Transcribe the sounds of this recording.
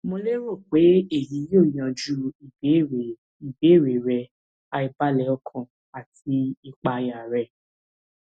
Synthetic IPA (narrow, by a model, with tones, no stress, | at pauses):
mõ˧le˦ɾo˦˨k͡pe˨˦e˦˨ji˨˦jo˦˨j̃ã˧˨d͡ʒu˦˨˦ | i˨be˨˦˨ɾe˨ɾɛ˧ | a˧i˧ba˦lɛ˨˦ɔ˧kʰã˨ | a˨ti˧i˨k͡pa˧ja˨ɾɛ˧˨